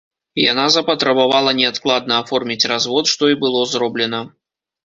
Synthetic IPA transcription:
ja̰nazɐpɐt̪ɾɐbavalˠɐnʲɛat̪klˠad̪̚nɐːfɔrmʲit͡sʲrazvɔt̪ʂt̪ɔibɨlˠɔzɾɔblʲɛnɐ

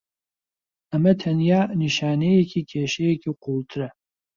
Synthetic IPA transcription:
ɐmɐt̪ʰɐnjaːniʃaːnejɛkʰikʰeːʃɛjɛkʰiqʰult̪ʰɨɾɐ

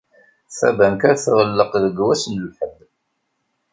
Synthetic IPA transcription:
θæ̰bænkæɾθʁəlːəqðəɡwæsnəlħəb

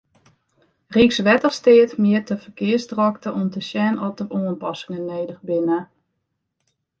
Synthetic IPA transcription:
riksʋɛtəχstɪətmɪətəfərkɪəsdrɔktəʔɔmtəsjɛnɔtəʔuːənpɑsɪŋənːeːdəxbɪnə

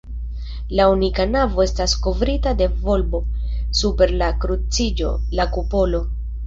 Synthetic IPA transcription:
launikanavo̞e̞stasko̞vɾitade̞vo̞lbo̞supe̞ɾlakɾut͡sid͡ʒo̞̰lakupo̞lo̞

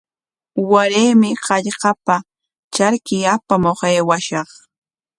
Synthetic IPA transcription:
waɾejmɪqɑʎqɑpa | t͡ʃaɾkɪjapamoχeːwaʃɑχ

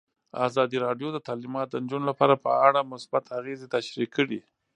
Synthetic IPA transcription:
a̰zɑd̪iɾɑɖjod̪ət̪ɑlimɑt̪̚d̪ənd͡ʒunolapɑɾapə̰aɽamʊsbat̪ʰaɣezet̪aʃɾikʰːəɽi

